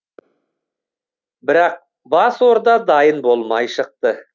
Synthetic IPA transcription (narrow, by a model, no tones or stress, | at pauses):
bɪɾɑq̚ | bɑswoɾd̪ɑd̪ɑjənbo̞lˠmɑjʃəq̚t̪ə